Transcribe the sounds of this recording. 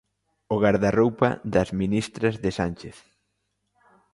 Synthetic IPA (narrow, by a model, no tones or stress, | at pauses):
oɣaɾðarowpɐ̰ðɐzminist̪ɾɐzðɪsanʲt͡ʃeθ